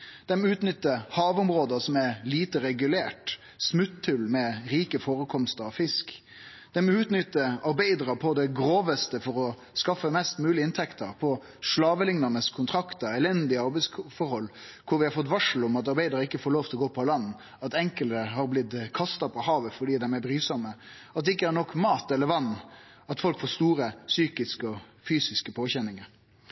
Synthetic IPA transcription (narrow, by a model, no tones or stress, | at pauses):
d̪̥ɛmʉːt̪nʏt̪ːəhɑːʋʊmʁoːd̪əsɔmæliːt̪əɾɛɡʉleːʈ | smʉt̪ʰːɪlmɛɾiːkəfoːɾəkʰɔmst̪əɾɔfɪsk | d̪̥ɛmʉːt̪nʏt̪ːəɑɾbæɪd̪ɾɑpʰɔd̪ɛɡɾoːʋəst̪əfɔɾɔ | skɑfːəmɛst̪mʉːlɪɪnt̪ʰɛkt̪ʰəɾpʰɔ | ʂɭɑːʋəlɪŋnɑnəskʰʊnt̪ʰɾɑkt̪əɾɛlɛnd̪ɪəɑɾbɛɪsfɔɾhɔlː | kʰʊɾʋɪhɑɾfɔt̪̬ːʋɑʂl̩ʊmɑt̪ɑɾbæɪd̪ɑɾɪkːəfoːɾloːft̪ɪlɔɡoːpʰɔlɑnː | ɑt̪ɛŋkəlt̪əɦɑɾblɪt̪kʰɑst̪ɑpʰɔhɑːʋəfɔɖiːd̪ɛmæɾbɾyːsɔmːə | ɑt̪d̪ɛɪkːəæɾnɔkːmɑːt̪ɛləɾʋɑnː | ɑt̪fɔlkfoːst̪uːɾəsyːkɪskəɔfyːsɪskəpʰoːçɛnːɪŋəɾ